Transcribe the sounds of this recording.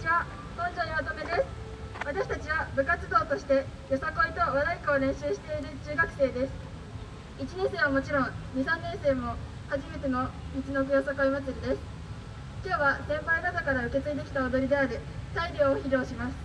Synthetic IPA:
iβa | kõɲd͡ʑoɲʲiβat̪omed̪e̞sɨ̥ | βat̪aɕi̥t̪at͡ɕiβabɯ̟kat͡sɨd̪o̞ːt̪o̞ɕi̥t̪e̞ | josako̞it̪o̞βad̪aikaːɾẽ̞ɰ̃ɕɨːɕi̥t̪e̞iɾɯ̟t͡ɕɨːɡakɯ̟̥se̞ːd̪e̞sɨ̥ | it͡ɕinẽ̞ɰ̃se̞ːβamo̞t͡ɕiɾõ̞ŋɲ̟isãnːẽ̞se̞ːmo̞ | haʑime̞t̪e̞no̞mʲit͡ɕino̞ɸɯ̟josakoimat͡sɨɾʲid̪e̞sɨ̥ | kʲo̞ːβasẽ̞mpainad̪okaɾaɯ̟ke̞t͡sɨid̪e̞kʲi̥t̪aod̪o̞ɾʲid̪eaɾɯt̪aiɾʲo̞ːçiɾʲo̞ːɕimasɨ̥

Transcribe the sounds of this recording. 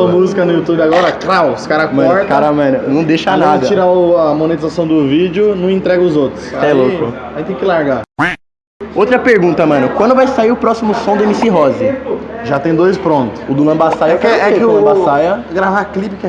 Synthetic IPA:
ɐmuzikɐnʊjut̪ubɪaɡɔɾɐkɾawskaɾɐmɐ̃ɔɾt̪kaɐɾɐmɐ̃nʊnɐ̃w̃d̪eʃɐalnad̪ɐt͡ʃiɾaʊɐmõnet͡ʃ̪izasɐ̃w̃d̪ʊvid͡ʒɪʊnɐ̃w̃ẽnt̪ɾɛɡɐʊzowt̪ɾʊsaɛloʊaĩt̪ẽj̃kɪlaɾɡa | owt̪ɾɐpeɾɡũnt̪ɐmɐ̃nʊkwɐ̃nd̪ʊvajsaiɾʊpɾɔsimʊsõd̪ʊemisiɦɔzɪʒat̪ẽj̃d̪ojspɾõnt̪ʊ̥ʊd̪ʊlɐ̃basajɐkɛlɐ̃basajɐɡɾavaklipɪkɛ

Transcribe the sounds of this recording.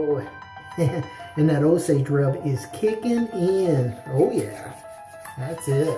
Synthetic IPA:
ɨ̃nðɨɾoʊseɪdɹʌbɪz̥kʰɪkɪ̃nɪ̃noʊjæ̰ | ðætsɪt̚

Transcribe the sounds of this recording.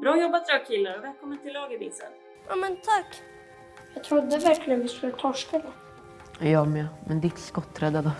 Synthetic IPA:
bɾɑːjɔbːat̪ɾɑːkʰɪlːaɾɔvɛːlkʰɔmːənt̪ʰɪlːɑːɡɪbɪsə̰n | ʔamɛnt̪ʰakː | jɑːt̪ʰɾʊd̪ːəvæɾklɪənvɪskɛlt̪ʰɔʂkad̪ə | jɑːmɛmɛnd̪ɪt̪skɔt̪ːɾɛd̪ad̪ə

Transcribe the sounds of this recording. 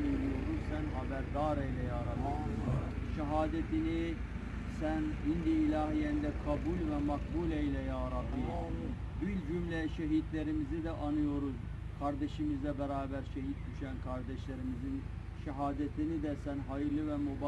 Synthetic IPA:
njɾijod̪uzsænɦɑbæɾd̪ɑɾejlɛjɑːɾɑlɯ | ʃɛɦaːd̪ɛt̪ʰini | sænind̪iːlɑːɦijɛnd̪ɛkʰɑbulʲvɛmɑkbulejlɛjɑːɾɑlɯ | b̪ylʲd͡ʒymlɛʃɛɦit̪læɾimizid̪ɛʔɑnɯjo̞ɾuz | kʰaɾd̪ɛʃimizlɛbɛɾaːbæɾʃɛɦit̪̚d̪yʃænkʰɑɾd̪ɛʃlæɾimizin | ʃɛɦaːd̪ɛt̪ʰinid̪ɛsænɦɑjɯɾlˠɯvɛmob

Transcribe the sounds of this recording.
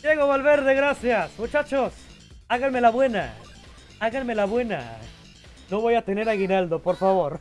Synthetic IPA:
jeɣoβalβeɾðeɣɾasjasmut͡ʃat͡ʃos | aɣanmelaβwe̞na̰ | aɣanmelaβwe̞na̰ | noβojat̪eneɾaɣinald̪opoɾfaβoɾ

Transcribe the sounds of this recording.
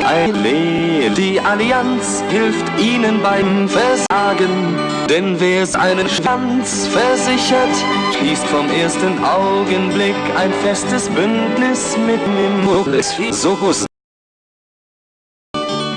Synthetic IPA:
ʔaɪleː | diːʔaliant͡s | hɪlftʔiːnənbaɪmfɛɐzaːɡən | d̥ɛnvɛːɛsʔa̰ɪnəʃvant͡s | fɛɐzɪçɐt | ʃliːstfɔmʔeːɐstənʔaʊɡənblɪka̰ɪnfɛstəsb̥ʏndnɪsmɪtmɪmmʊɛszohʊs

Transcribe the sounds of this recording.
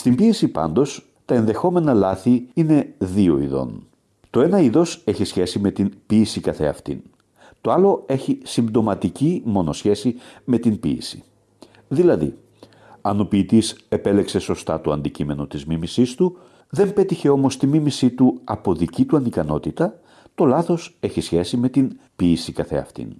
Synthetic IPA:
st̪imbiesipɐ̰nd̪o̞s | t̪ɐenðe̞xo̞me̞nɐlɐθiine̞ðio̞̰ḭðo̞̰n | t̪o̞e̞nɐiðo̞se̞çisçe̞sime̞t̪inbiːsikɐθe̞̰ɐ̰ft̪ḭn | t̪o̞ɐlo̞e̞çisimbd̪o̞mɐt̪icimo̞no̞sçe̞sime̞t̪imbḭːsi̥̰ | ðilɐðḭ | ɐno̞piːt̪ise̞pe̞le̞kse̞so̞st̪ɐt̪oɐnd̪icime̞no̞t̪izmimisist̪u | ðe̞mpe̞t̪içe̞o̞mo̞st̪imimisit̪uɐpo̞ðicit̪uɐnikɐno̞t̪it̪ɐ | t̪o̞lɐθo̞se̞çisçe̞sime̞t̪inpiːsikɐθe̞̰ɐ̰ft̪ḭn

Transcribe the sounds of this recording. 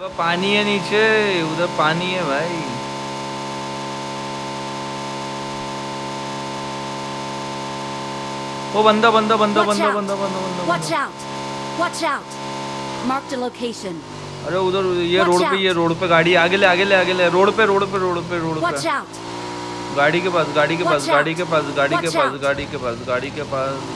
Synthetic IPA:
ʋapaːnijeniːt͡ʃeud̪ɐpaːnijebʱai | obɐnd̪abɐnd̪abɐnd̪abɐnabɐnd̪abɐnd̪abɐnd̪aɔt͡ʃaʊt | wʌt͡ʃaʊt | maɹk̚ˡlokʰeɪʃə̃n | ɐɾeʊd̪əɾjeɾoːɽpejeɾoːɽpeɡaːɽiaːɡeleaːɡeleaːɡeleɾoːɽpeɾoːɽpeɾoːɽpeɾoːɽpet | ɡaːɽikepaːsɡaːɽikeaːsɡaːɽikepaːsɡaːɽikepaːsɡaːɽikepaːsɡaːɽikepaːs

